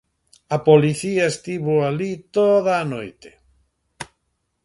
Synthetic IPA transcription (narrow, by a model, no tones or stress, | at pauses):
ɐpoliθiɐest̪iβoalit̪oðaːnojt̪e̥